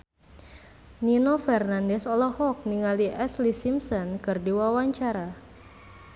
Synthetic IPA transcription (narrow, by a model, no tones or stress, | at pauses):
ninofɛrnandɛsɔlɔhɔk̚niŋaliʔɛslisimsɔnkɨrdiwawaɲt͡ʃaɾa